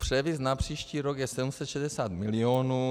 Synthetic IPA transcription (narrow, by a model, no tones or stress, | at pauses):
pr̝̥ɛvɪsnapr̥iːʃciːɾokjɛsɛdumsɛt̪ʃɛdɛsaːt̪mɪlɪoːnuː